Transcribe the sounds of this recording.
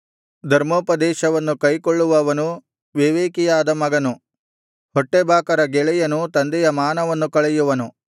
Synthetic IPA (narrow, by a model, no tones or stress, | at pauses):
d̪ʱɐɾmoːpɐd̪ɛːʃɐʋɐnːukɐjkoɭːuʋɐʋɐnu | ʋeʋeːkijaːd̪ɐmɐɡɐnu | hɔʈːebʱaːkɐɾɐɡɛɭɛjɐnut̪ɐnd̪ɛjɐmaːnɐʋɐnːukɐɭɛjuʋɐnu